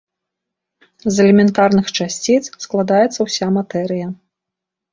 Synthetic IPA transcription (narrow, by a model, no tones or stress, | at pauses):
zɛlʲɛmʲɛnt̪arnɨxt͡ʂasʲt͡sʲit̪ssklˠad̪ajɛt̪sːɐwsʲamat̪ɛɾɨjɐ